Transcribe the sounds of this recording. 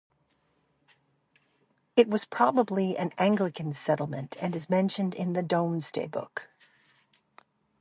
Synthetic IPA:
ɨt̚wʌz̥pʰɹ̥ɑbəbliɨ̰̃næ̃ŋɡlɨkɨ̃nsɛɾl̩ˠmɨ̃ntʰɨ̃nɨzmɛ̃nʃɨ̃ndɪ̃nðɨdõʊ̃nz̥dḛɪbʊ̰k

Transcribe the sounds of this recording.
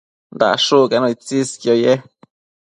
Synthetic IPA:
nd̪a̰ʔʂukanõit͡siskjoje

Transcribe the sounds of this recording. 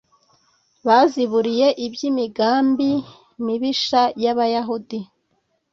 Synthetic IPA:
βaziβuɾije̞ʔibjimiɡaːmbi | miβiʃajaβajaɦudi

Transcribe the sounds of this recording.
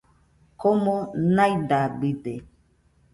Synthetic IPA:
komɔnajdabide

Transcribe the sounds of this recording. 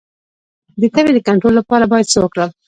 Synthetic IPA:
d̪ət̪awed̪əkaɳʈɾolːapɑɾabɑjad̪səwəkɽəl

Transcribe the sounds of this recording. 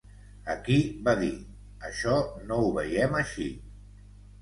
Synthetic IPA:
əkiβaði | əʃɔnouβəjɛməʃi

